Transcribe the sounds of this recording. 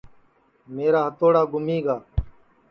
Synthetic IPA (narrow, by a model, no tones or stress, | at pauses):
meːɾaːɦət̪oːɽaːɡʊmiːɡaː